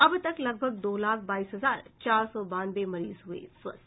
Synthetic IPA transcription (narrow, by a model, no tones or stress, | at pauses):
ɐbt̪ɐklɐɡ̚bʱəɡ̚d̪oːlaːkʰbaːiːsɦɐzaːɾt͡ʃaːɾsɔbãːnbemɐɾḭːzɦuḛswɐ̰s